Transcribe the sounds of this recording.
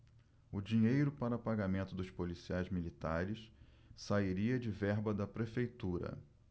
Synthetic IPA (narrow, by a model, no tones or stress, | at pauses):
ʊd͡ʒĩɲejɾʊpaɾɐpaɡamẽnt̪ʊd̪ʊʃpolisiajzmilit̪aɾɪs | saiɾiɐd͡ʒɪvɛɾbɐd̪ɐpɾefejt̪uɾɐ̰